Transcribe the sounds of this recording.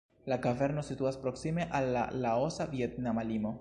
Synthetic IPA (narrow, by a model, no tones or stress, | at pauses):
laɡaveɾno̞situaspɾo̞ksime̞ʔalːa̰ːao̞savie̞tnamalimo̞